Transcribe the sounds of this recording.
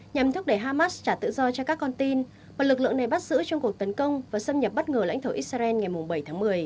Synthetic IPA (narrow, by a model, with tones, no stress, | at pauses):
ɲa˨˩mt̪ʰu˦˥k͡p̚ɗe˧˩ɦaː˧maː˦˥st͡ɕaː˧˩t̪ɨ̰˧˨zɔ˧t͡ɕɔ˧kaː˦˥kːɔ˧nt̪i˧n | vaː˨˩lɨ˨˩k̚lɨ̰˧˨əŋna˨˩jɓt̚zɨ̰˧˥t͡ɕɔ˧ŋ͡mku˨˩ək̚t̪ə˨˦nkə˧wŋ͡mvaː˨˩sə˧mɲə˨˩p̚ɓə˦˥t̚ŋəː˨˩la̰˧˥jŋt̪ʰo˧˩ʔi˦˥t̚saː˧ʔɛ˧nŋa˨˩jmʊ˨˩ŋ͡mɓə˧˩jt̪ʰaː˨˦ŋmɨ˨˩əj